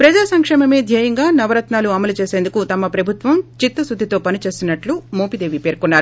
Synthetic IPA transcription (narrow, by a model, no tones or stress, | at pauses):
pɾɐd͡ʒaːsɐŋkʂɛːmɐme̞ːd̪ʱjɐːjɐŋɡaːnɐʋɐɾɐt̪naːluɐmɐlut͡ʃe̞ːseːnd̪ukut̪ɐmɐpɾɐbʱut̪ʋɐmt͡ʃit̪ːɐsud̪ʱit̪o̞ːpɐnit͡ʃe̞ːsinːɐʈlumoːpid̪eːʋipe̞ːɾkunːaːɾu